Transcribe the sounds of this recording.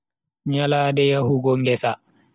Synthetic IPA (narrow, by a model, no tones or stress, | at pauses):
ɲalaːdɛjahuɡɔŋɡɛsa